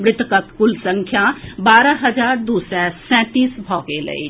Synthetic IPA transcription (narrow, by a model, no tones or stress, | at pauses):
mɾɪt̪kət̪kʊlsə̃ŋkʰjabaːɾəɦɐd͡ʒaːɾd̪uːsɛsɛ̃ːt̪iːsbʱɔːɡelə̰ḭ